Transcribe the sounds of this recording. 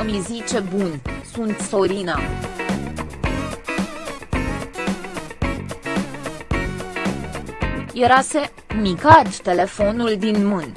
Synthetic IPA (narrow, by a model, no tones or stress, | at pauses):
əmizit͡ʃe̞bunsunt̪so̞ɾina | je̞ɾase̞ | mikat̪ːe̞le̞fo̞nuld̪inmɨn